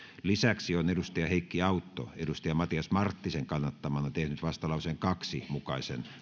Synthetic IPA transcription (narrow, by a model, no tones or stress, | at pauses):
lisæksionedust̪ɑjɑheikːiɑut̪ːo̰edust̪ɑjɑmɑt̪iɑsmɑrt̪ːiseŋkɑnːɑt̪ːɑmɑnɑt̪ehnyt̪ʋɑst̪ɑlɑˑuseŋkɑksimukɑisḛn